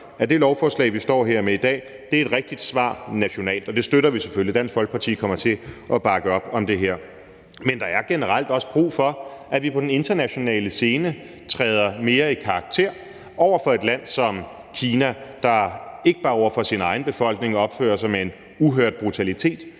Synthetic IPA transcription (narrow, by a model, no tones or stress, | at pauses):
æd̥e̝lɒʊfɒːslɛ̰ːɪʋisd̥ɒ̰ːɦeɐ̰meid̥ɛ̰ː | d̥e̝æɐe̝d̥ʁeɡ̥̚d̥id̥sʋɑ̰̈ːnæɕo̝nɛ̰ːld̥ɒ̽d̥e̝sd̥øɾɐʋise̥følid̥æn̰sɡ̥fɒ̽lɡ̥pʰɑ̈t͡sʰḭːkʰɒ̽m̰ɐt͡sʰe̝ʔɒb̥ɑ̈ɡ̥əɒ̽b̥ɒ̽md̥e̝ɦeɐ̰ | mend̥ɑ̈æɐɡ̥enəʁal̰d̥ɒ̽sə̥b̥ʁṵːfɒ̽ʔæʋipʰɒ̽d̥ene̝nd̥ɐnæɕo̝nɛ̰ːləse̝ːnə | t͡sʰʁɛːð̞ˠɐme̝ːɐikʰɑ̈ɑɡ̥̚t͡sʰe̝̰ɐ̰ | ɒʊɐfɒ̽e̝d̥læn̰sɒ̽m | kʰiːnæd̥ɑ̈e̝ɡ̥əb̥ɑ̈ːɒ̰ʊɐfɒ̽sinɑ̈ɪn̩b̥e̝fɒ̽l̰ɡ̥ne̝ŋɒ̽b̥fø̰ːɐsɑ̈ɪmee̝n | uɦøɐd̥̚b̥ʁut͡sʰælit͡sʰe̝̰ːd̥